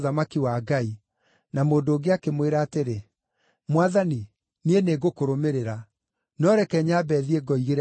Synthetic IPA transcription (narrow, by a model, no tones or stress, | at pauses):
ðamakiwaːɡai | namoːndoːɡeakemweɾaːteɾe | mwaðani | nieneɡokoɾomeɾeɾa | nɔɾɛkɛɲaːbɛðieɡɔiɣeɾ